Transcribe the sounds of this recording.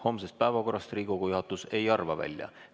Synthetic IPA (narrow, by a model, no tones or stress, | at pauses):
ho̞ːmsest̪̚pæevɑko̞rːɑst̪riːkokujuhɦɑt̪ːˑuse̞jɑrvɑvæ̰lʲjɑ̰